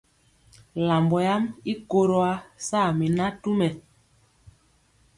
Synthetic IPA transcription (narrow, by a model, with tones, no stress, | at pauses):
la˨mbɔ˨ja˦mi˦ko˨ɾo˦a˦saː˦˨mi˨na˦tu˦mɛ˨